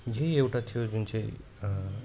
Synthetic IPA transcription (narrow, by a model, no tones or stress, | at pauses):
d͡ʒejewʈat̪ʰijod͡ʒunt͡ʃej